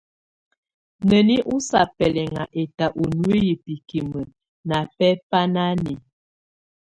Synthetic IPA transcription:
nə˨ni˦ʔu˦sa˨pɛ˨lɛ˨ŋa˨ʔe˨ta˨ʔu˨nu˦e˦ji˨pi˨ki˨mə˨ | na˨pɛ˦pa˦na˦ni˨

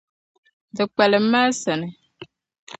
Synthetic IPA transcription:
dɨ˨k͡pɛ˨lɪ˨˦ma˦sɛ˨nɨ˨

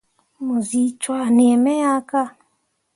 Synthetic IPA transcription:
mo˨zi˨t͡ʃwa˨ne˨ɛ˨mɛ˦a˦ka˦

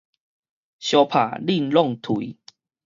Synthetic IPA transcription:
ɕjɔ˧pʰa̰˨˩li˥˧˨nlɔ˥˧˨ŋt̪ʰu˨˦

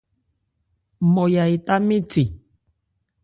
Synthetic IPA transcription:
mɔ˨ja˨e˨t̪a˦mẽ˦te˨

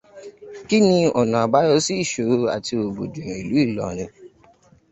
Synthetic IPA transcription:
ki˦nĩ˧ɔ˨nã˨a˨ba˨˦jɔ˧˦si˦˨ʃo˨˦a̰˨ti˧o˨bo˨dũ˨ɾ̃i˨lu˨˦i˦˨lɔ̰˨ɾ̃ĩ˧

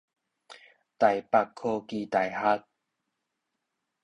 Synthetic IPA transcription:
t̪a˨˩jpa˧kkʰːo˧ki˧t̪a˨˩jha˦t̪̚

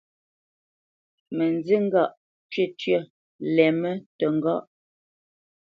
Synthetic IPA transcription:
mə˨nd͡zi˦ŋ˦ɡa˦˨ʔ | t͡ʃɥe˦˨tɥə˦˨ | lɛ˨mə˦tə˨ŋ˦˨ɡɔ˦˨ʔ

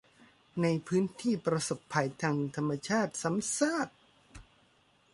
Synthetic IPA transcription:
na˧jpʰɯː˦˥nt̪ʰiː˥˩pɾa˧so˨˩pʰːa˧jt̪ʰaː˧ŋt̪ʰa˧mːa˧t͡ɕʰaː˥˩t̪̚sa˩˨˦msaː˥˩t̪̚

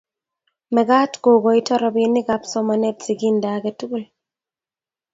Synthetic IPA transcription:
mɛ˨ɡa˦tɡo˨ɡɔ˨itɔ˦ɾɔbinːɪ˦ɡapsɔmanɛ˦t̚si˨ɡindaɡɛtu˦ɡu˦l

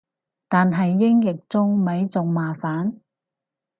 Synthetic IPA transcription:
t̪aː˨nɦɐ˨jːɪ˥ŋjɪ˨k̚t͡sʊ˥ŋmɐ˨˥jt͡sʊ˨ŋmaː˨˩faː˨˥n

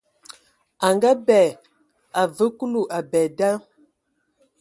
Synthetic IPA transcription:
a˨ŋɡa˦bɛː˨ | a˨və˨˦ku˦lu˦˨ʔa˨bɛː˨da˦

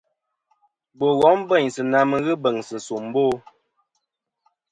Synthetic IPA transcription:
bo˨ɣɔ˨˦m˦bɛ˦˨ɲsɨ˨na˨mə˨˦ɣɨ˦bə˨ŋsɨ˨n˨su˨m˦boː˦˨˦

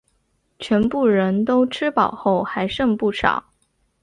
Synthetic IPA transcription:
t͡ɕʰɥɛ˧˥npu˥˩ɻə˧˥nt̪o˥ʊʈ͡ʂʰɻ̩˥pɑ˨˩ʊxo˥˩ʊxa˧˥ɪʂɤ˥˧ŋpu˥˩ʂʰɑ̰˨˩˦

